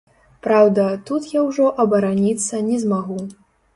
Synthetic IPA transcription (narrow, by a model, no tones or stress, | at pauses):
pɾawd̪ɐt̪ut̪jawʐɔʔɐbɐɾanʲit̪sːɐnʲɛzmaɣu